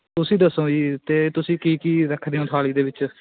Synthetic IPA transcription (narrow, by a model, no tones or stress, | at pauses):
t̪ʊsĩːd̪əsõːiːt̪eːt̪ʊsĩːkiːkiːɾəkʰd̪eːõːt̪ʰaːɭiːd̪eːʋɪt͡ʃ